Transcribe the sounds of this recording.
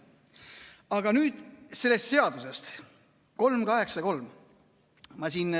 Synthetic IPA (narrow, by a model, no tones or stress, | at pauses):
ɑɡɑnyːd̪̥se̞lːe̞st̪se̞ɑd̪̥usest̪ | ko̞lmkɑɦe̞ksɑko̞lm | mɑsiːn